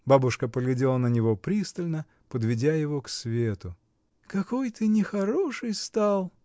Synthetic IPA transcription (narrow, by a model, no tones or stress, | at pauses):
babʊʂkəpəɡlʲɪdʲe̞lˠənənʲɪvo̞pɾʲist̪əlʲnə | pəd̪vʲɪdʲajɪvoksvʲet̪ʊ | kɐko̞jt̪ɨnʲɪxɐɾoʂɨjst̪ɑlˠ